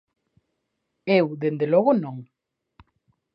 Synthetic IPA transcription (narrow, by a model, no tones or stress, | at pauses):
ewðend̪elɔɣonõŋ